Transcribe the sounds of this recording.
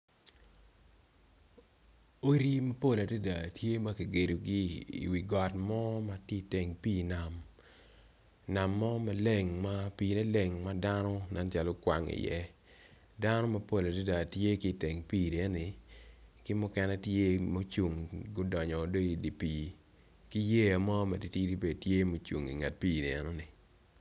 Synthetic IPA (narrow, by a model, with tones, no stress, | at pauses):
o˦ɾi˦mɐ˦po˦la˨do˦da˨tje˦ma˦ki˨ɡe˨do˨ɡɪ˦ḭ˨wi˨ɡɔ˨tmɔ˦ma˦ti˦˨te˨ŋpiː˦na˨m | na˨mːɔ˦ma˦le˦˨ŋma˦piː˦˨nɛ˦le˨ŋma˦da˦nɔ˦na˦nt͡ʃa˨lɔ˦kwa˨ŋḭ˨jɛ̰˦ | da˦nɔ˦ma˨˦po˦la˨di˦da˨tje˦ki˦˨te˨ŋpi˦˨ni˨ɛ˦nɪ˨ | kɪ˦mʊ˦kɛ˦nɛ˦tje˦mo˦t͡ʃu˨ŋɡo˦dɔ˨ɲɔ˨do˦i˨di˨piː˨ | ki˦je˦a˨mɔ˦ma˨di˨ti˦di˦be˨dtje˦mo˦t͡ʃṵ˨ŋḭ˨ŋa˨t̚piː˦˨ni˨ɛ̰˨nɔ˦nɪ˨